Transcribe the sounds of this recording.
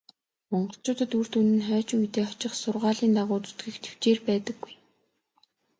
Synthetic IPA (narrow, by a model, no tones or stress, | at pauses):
mɔɴɢɞ̆ɬt͡ɕʊːt̪ə̆t̪ur̥t̪unɘ̆nχœːt͡ɕujt̪eːɔt͡ɕɪ̆χsʊrʁaːɮiːnt̪aʁʊːt͡su̥t̪ɡɘ̆xt̪ʰe̥w̥t͡ɕeːrpæːt̪ə̆ɡːuj